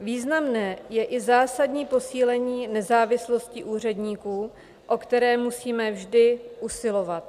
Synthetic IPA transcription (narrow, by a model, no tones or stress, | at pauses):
viːznamnɛːjɛʔɪzaːsadɲiːpo̞siːlɛɲiːnɛzaːvɪslo̞scɪʔuːr̝ɛdɲiːkuː | ʔo̞kt̪ɛɾɛːmusiːmɛvʒdɪʔusɪlo̞vat̪̚